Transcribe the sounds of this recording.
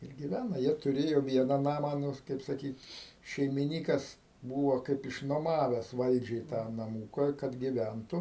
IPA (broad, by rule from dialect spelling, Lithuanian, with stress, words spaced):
ɪr ɡʲɪˈʋʲænɐ ˈjiɛ tʊˈrʲeːjoː ˈʋʲiɛnɐ ˈnɑːmɑː ˈnʊ kɐɪp sɐˈkʲiːt ʃʲɛɪmʲɪˈnʲiːkɐs ˈbuːʋoː ˈkɐɪp ɪʃ nuɔˈmɑːʋʲɛs ˈʋɐlʲd͡ʒʲɛɪ tɑː nɐˈmuːkɐ kɐt ɡʲɪˈʋʲɛntʊ